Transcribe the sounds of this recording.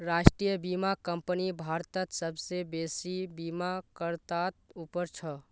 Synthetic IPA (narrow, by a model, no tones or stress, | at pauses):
ɾasʈɾijəbimakəmpənibʱaɾt̪ət̪səbsebesibimakəɾt̪at̪upəɾt͡ʃʰə